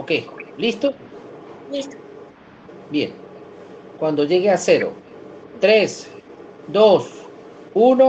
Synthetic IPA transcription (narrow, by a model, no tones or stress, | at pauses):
okejlist̪o | list̪o | bje̞̰n | kwand̪o̞ʝe̞ɣease̞ɾo̞̰t̪ɾes | d̪os | uno